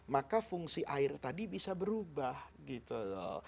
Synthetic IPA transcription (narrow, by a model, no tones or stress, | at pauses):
makafuŋsiʔaɪrt̪adibisabəɾubahɡit̪ulɔ̰